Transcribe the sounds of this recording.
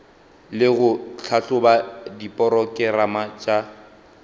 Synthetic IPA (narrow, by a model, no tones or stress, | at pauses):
lɪɣʊt͡ɬʰaɬʊbadipʼɔɾɔkʼɪramat͡ʃʼa